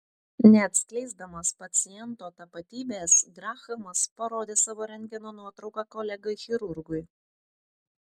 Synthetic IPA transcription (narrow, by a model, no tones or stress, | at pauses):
nʲɛɐt̪ʲsʲklʲɛɪzd̪ɐmɐːspɐt̪sʲɪjɛnt̪oːt̪ɐpɐt̪ʲiːbʲeːsɡɾɑːxɐmɐspɐɾoːd̪ʲeːsɑːʋoːɾʲɛŋʲɡʲɛnoːnuɔt̪ɾɒʊkɑːkɔlʲɛɡʊɪxʲɪɾʊɾɡʊj